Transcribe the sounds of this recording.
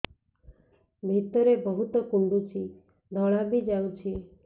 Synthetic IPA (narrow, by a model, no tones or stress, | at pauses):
bʱit̪ɔɾebɔɦut̪ɔkuɳɖut͡ʃʰi | d̪ʱɔɭ̃abid͡ʒawt͡ʃʰi